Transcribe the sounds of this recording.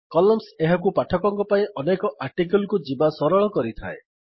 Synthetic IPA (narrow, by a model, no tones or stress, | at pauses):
kɔlɔmseɦakupaʈʰɔkɔŋkɔpaĩʔɔnekɔʔaɾʈikelkud͡ʒibasɔɾɔɭɔkɔɾit̪ʰa̰e